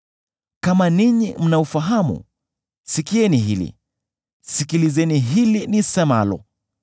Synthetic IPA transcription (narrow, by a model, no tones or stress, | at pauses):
kamaniɲim̩naufaɦamṵ | sikiɛniɦilḭ | sikilizɛniɦilinisɛmalɔ̰